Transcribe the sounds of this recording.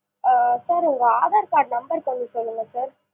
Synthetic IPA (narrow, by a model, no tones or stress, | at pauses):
saːɾɪŋɡɐaːðaːɾkaːʈnɐmbɐɾkɐɐnɖisɔlːɯŋɡɐsaːɾ